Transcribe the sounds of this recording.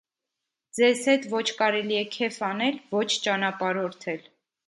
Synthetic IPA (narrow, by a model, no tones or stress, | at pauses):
d͡zɛzhɛt̪vɔt͡ʃʰkɑɾɛliɛkʰɛfɑnɛlvɔt͡ʃʰt͡ʃɑnɑpɑɾɔɾt̪ʰɛl